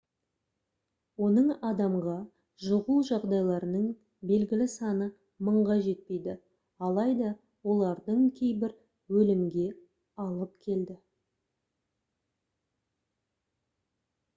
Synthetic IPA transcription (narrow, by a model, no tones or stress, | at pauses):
wo̞nəɴɑd̪ɑmʁɑ | ʒʊʁulˠʒɑʁd̪ɑjlˠɑɾənəɴ | be̞lɡʲɪlɪsɑnə | məɴʁɑʒe̞t̪̚pe̞jd̪ɪ | ɑlˠɑjd̪ɑ | wo̞lˠɑɾd̪əɴkʲʰe̞jbɪɾ | wɵlɪmɡʲe̞ | ɑlˠəpkʲʰe̞ld̪ɪ